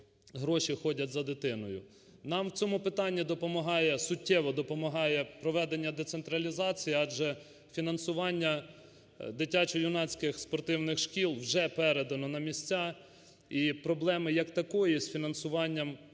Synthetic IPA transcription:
ɦɾɔʃixɔdʲɐtʲzɐd̪ɪt̪ɪnɔjʊ | nɑmwt͡sʲɔmʊpɪt̪ɑnʲːid̪ɔpɔmɐɦɑjɛsʊtʲːɛʋɔd̪ɔpɔmɐɦɑjɛpɾɔʋɛd̪enʲːɐd̪ɛt̪sent̪ɾɐlʲizɑt͡sʲijiɑd͡ʒɛ | fʲinɐnsʊʋɑnʲːɐ | d̪ɪtʲat͡ʃɔjʊnɑt͡sʲkɪxspɔrt̪ɪwnɪxʃkʲilˠwʒɛpɛɾed̪ɐnɔnɐmʲisʲt͡sʲa | ipɾɔblˠɛmɪjɐkt̪ɐkɔjisfʲinɐnsʊʋɑnʲːɐm

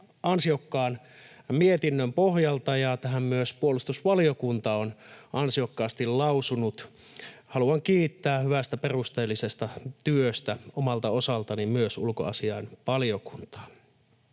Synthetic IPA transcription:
ɑnsiokːɑːn | miet̪inːømpohjɑlt̪ɑjɑt̪æɦæmmyøspuolust̪usʋɑlijokunt̪ɑonɑnsiokːɑːst̪illɑusunut̪ | hɑluɑŋkiːt̪ːæːhyʋæst̪æperust̪eːlːisest̪ɑt̪yøst̪æomɑlt̪ɑosɑlt̪ɑnimyøsulko̰ɑ̰siɑenʋɑlioku̥nt̪ɑ̥ː

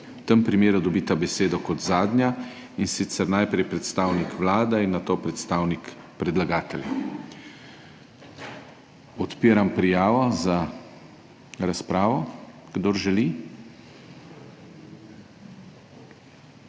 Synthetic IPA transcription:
wt̪əmpɾimeːɾud̪ɔbiːt̪abɛseːd̪ɔkɔt̪zaːd̪nʲja | insit̪sɛɾnajpɾɛjpɾɛt̪st̪aːwnikʰʋlaːd̪ɛinːat̪oːpɾɛt̪st̪aːwnik | pɾɛd̪laɡaːt̪ɛlja | ɔt̪piːɾampɾijaːʋɔza | ɾaspɾaːʋɔ | ɡ̥d̪oɾʒɛli

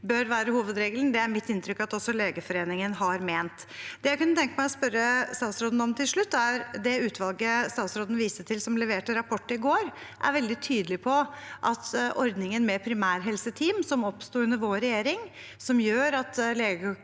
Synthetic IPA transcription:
bœɾʋæːɾəhuːʋəd̪ɾeːɡəln̩d̪ɛæɾmɪt̪ːɪnt̪ʰɾʏkːɑt̪ɔsɔleːɡəfɔɾeːnɪŋənɦɑɾmeːnt̪ | d̪̥ɛjæɪkʉnːət̪ʰɛŋkəmæɪɔspœɾːəst̪ɑːt̪sɾoːd̪n̩ɔmt̪ʰɪlʂɭʉt̪ːæɾd̪ɛʉːt̪ʰʋɑlˠɡəst̪ɑːt̪sɾoːd̪n̩ʋiːsəʈ̪ʰɪlsɔmlɛʋeːʈəɾɑpʰɔʈːəɪɡoːɾ | ʔæ̰ɾʋɛld̪ɪt̪ʰyːd̪əlɪpʰɔʔɑt̪ʔɔɾd̪nɪŋənmɛpʰɾɪmæːɾɦɛlsət̪ʰiːmsɔmɔpst̪uːʉnəɾʋoːɾɛjeːɾɪŋsɔmjøːɾɑt̪leːɡə

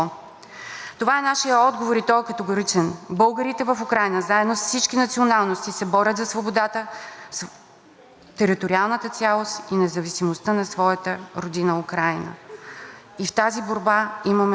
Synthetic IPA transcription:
t̪ovaɛnaʃijəɔd̪ɡovoɾit̪ɔjkət̪ɛɡoɾit͡ʃɛnbɤlˠɡəɾit̪ɛvəfukɾajnəzaɛd̪nosfsit͡ʃkinɐt̪sionalˠnost̪isɛbɔɾʲət̪zɐsvobod̪at̪əs | t̪ɛɾit̪oɾʲialˠnət̪ət̪sʲialˠost̪inɛzɐvisimost̪ənɐsvɔjət̪əɾod̪inəukɾajnə̰ | ift̪aziboɾbaimɐmɛ

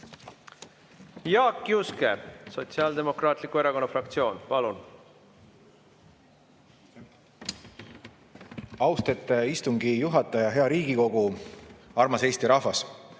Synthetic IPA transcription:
jɑːkːjuskḛso̞t̪siɑːld̪e̞mo̞krɑːt̪likːue̞ɾɑko̞nːɑfrɑkt̪sio̞ːnpɑlun | ɑwst̪et̪ˑːeist̪uŋɡijuɦɑt̪ˑːɑjɑɦe̞ɑɾiːɡ̥iko̞ɡ̥u | ɑrmɑse̞ːst̪iɾɑhvɑs

